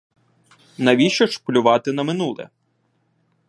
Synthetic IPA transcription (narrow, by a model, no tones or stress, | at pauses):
nɐʋʲiʃɔʃplʲʊʋɑt̪ɪnɐmɪnulˠɛ̰